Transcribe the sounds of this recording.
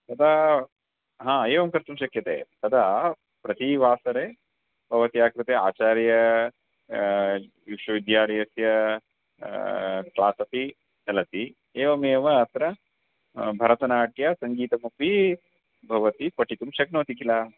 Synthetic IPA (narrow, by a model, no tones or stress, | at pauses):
t̪ɐt̪ʰa | ɦãːeːʋɐmkɐɾt̪umʃɐkjɐt̪ḛːt̪ɐt̪ʰa | pɾɐt̪iʋaːsɐɾe | bʱɐʋɐt̪iaːkɾɨt̪ea̰ːt͡ʃaːɾjɐ | ʋikʃwɐʋid̪jaːɾɐjɐsjɐ | klaːsɐpi | t͡ʃɐlɐt̪i | eːʋɐmeːʋɐːt̪ɾɐ | bʱɐɾɐt̪ɐnaːʈjɐsɐŋɡiːt̪ɐmɐpi | bʱɐʋɐt̪ipɐʈit̪umʃɐk̚nɐːt̪ikilaː